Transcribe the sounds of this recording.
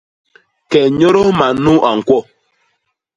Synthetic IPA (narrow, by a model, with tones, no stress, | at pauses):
kɛ˨ɲo˦ɾo˦ma˨nu˦ʔa˨ŋ̩˨kwɔ˦˨